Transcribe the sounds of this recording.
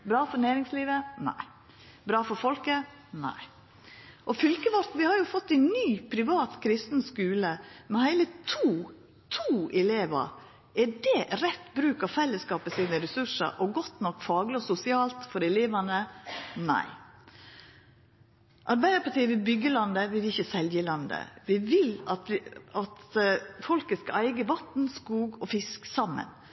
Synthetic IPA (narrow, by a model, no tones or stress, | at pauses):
bɾɑːfɔɾnæːɾɪŋsliːʋənæ̰ɪ | bɾɑːfɔɾfɔlkə | næ̰ɪ | ʔɔfʏlkəʋɔɾt̪ʋɪhɑɾjʊfɔt̪ːɛnnyːpʰɾɪʋɑːt̪kʰɾɪst̪nskʉːləmɛhæɪlət̪ʰuː | t̪ʰuːʔɛleːʋɑ̰ | ɛɖɛɾɛt̪ːbɾʉːkɑʋfɛlːəskɑːpəsiːnəɾɛsʉʂə̰ʔɔɡɔt̪nɔkːfɑːɡlɪɔsʊsɪɑːlt̪fɔɾɛleːʋɑnənæ̰ɪ | ʔɑɾbæɪd̪əɾpɑʈiːəʋɪlbʏɡːəlɑnd̪əʋɪʋɪɪçːəsɛljəlɑnd̪ə̰ʋɪʋɪlɑt̪ɑt̪fɔlkəskɑæɪɡəʋɑt̪n̩skuːɡɔfɪsksɑmːə̰n